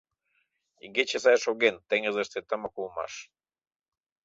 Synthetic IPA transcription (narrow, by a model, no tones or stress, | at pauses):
ḭɡet͡ɕesɑjʃoɣent̪eŋəzəʃt̪et̪əməkulˠmɑ̰ʃ